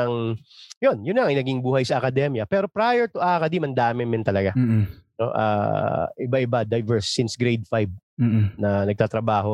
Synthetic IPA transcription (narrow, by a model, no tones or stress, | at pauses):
ɐŋjo̞njʊnlɐŋʔɐjnɐɡɪŋbuːhɐjsɐʔɐkɐd̪ɛmjɐpɛːɾo̞pɾaːjɛɹt̪ʊʔaːkɐd̪imɐnd̪aːmɪmɪnt̪ɐlɐɡano̞̰ʔa̰ːʔɪbaʔɪbad̪ɐjvɛɹsːɪnsɡɾejd̪̚fajb̩̚ | nɐnɐɡ̚t̪aːt̪ɾɐbaːɦo̞